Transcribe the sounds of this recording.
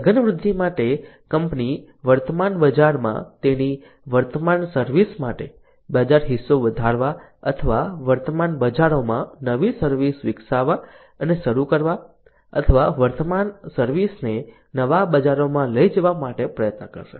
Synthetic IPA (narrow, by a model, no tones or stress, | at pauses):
ɡənəʋɾʊd̪ʱːimaʈekəmpni | ʋəɾt̪əmanbəd͡ʒaɾmã̰t̪eni | ʋəɾt̪əmansəɾʋismaʈe | bəd͡ʒaɾɦisːoʋəd̪ʱaɾʋa | ə̰t̪ʰəʋaʋəɾt̪əmanbəd͡ʒaɾomãnəʋisəɾʋisʋɪksaʋa | əneʃəɾukəɾʋa | ə̰t̪ʰəʋaʋəɾt̪əmansəɾʋisne | nəʋabəd͡ʒaɾomãləid͡ʒəʋamaʈepɾəjət̪nəkə̰ɾʃḛ